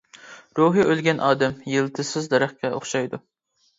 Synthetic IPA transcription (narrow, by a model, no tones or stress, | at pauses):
ɾuɦɨʔølɡʲɛnʔɑːd̪ɛmjɨlˠt̪ʰɨsɪzd̪ɛɾæχkʲɛʔo̰χʃɑjd̪u